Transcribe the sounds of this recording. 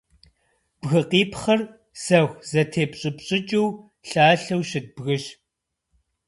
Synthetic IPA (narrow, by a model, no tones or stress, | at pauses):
b̥ɣɨqiːpχɐr | sɐxʷzɐtʰeːpɕʼɪpɕʼɪt͡ʃʼɪw | ɬaːɬɐwɕɪt̚bɣɨɕ